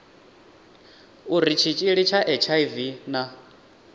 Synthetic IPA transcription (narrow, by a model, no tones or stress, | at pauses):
uɾit͡ʃʰit͡ʃʼiɺit͡ʃʰaʔɛt͡ʃʰaivina